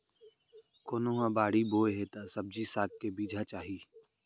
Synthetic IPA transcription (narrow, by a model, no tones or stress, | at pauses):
koːnoɦãbaːɽiboːeɦet̪asəb̚d͡ʒisaːk̚kebiːd͡ʒʱat͡ʃaːɦiː